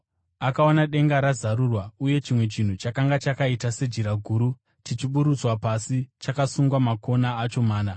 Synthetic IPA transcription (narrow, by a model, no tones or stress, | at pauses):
akaonaɗe̞ŋɡaɾazaɾurwauje̞t͡ʃimwe̞t͡ʃin̤ut͡ʃakaŋɡat͡ʃakaitase̞d͡ʒiɾaɡʱuːɾu | tit͡ʃiɓuɾut͡swapasit͡ʃakasuŋɡwamako̞naːt͡ʃo̞maːna